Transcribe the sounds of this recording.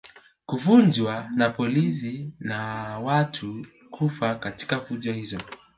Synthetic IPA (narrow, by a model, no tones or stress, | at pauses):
kufund͡ʒwanapɔlis̬inawatʰu | kʰufakati̥kafuʄɔhizɔ